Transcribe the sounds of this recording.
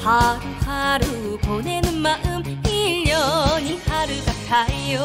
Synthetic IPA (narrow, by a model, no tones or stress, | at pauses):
paɾuhaɾuponenɯnmaʔɯmiʎːjʌɲinhaɾɯɡatʰaijo